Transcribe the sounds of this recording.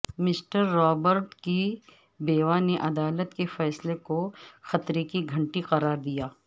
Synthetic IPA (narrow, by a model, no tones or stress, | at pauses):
mɪsʈəɾːɔːbəɾʈki | beːʋaneʔɐd̪aːlət̪kefɛːslekoxɐt̪ɾekiɡʱɐ̃ɳʈiqɐɾaːɾd̪ijaː